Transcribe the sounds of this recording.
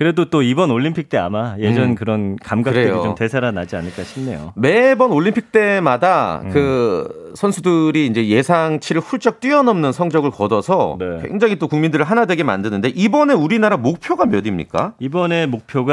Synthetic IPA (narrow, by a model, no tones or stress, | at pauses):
kɯɾe̞dot͈oibʌnoʎːimpʰik̚t͈e̞a̰maje̞d͡ʑʌnkɯɾʌnkamɡaɯɾeejoḭt͡ɕomte̞sʰaɾanad͡ʑianɯɭk͈aɕʰimnːe̞̰jo̰me̞bʌnoɭːimpʰik̚t͈e̞madakɯ | sʰʌnsʰudɯɾiːnd͡ʑe̞je̞sʰaŋt͡ɕʰiɾɯɭɸuɭt͡ɕ͈ʌk̚t͈ɥiʌnʌmnɯnsʰʌŋd͡ʑʌɡɯɭkʌdʌsʰʌnekwe̞̰ŋd͡ʑaŋit͈okuŋmindɯɾɯɭɦanadwe̞ɡe̞ma̰ndɯnɯndeʔibʌne̞uɾinaɾamok̚pʰjoɡamjʌdimɲḭk͈a̰ibʌne̞mok̚pʰjoɡa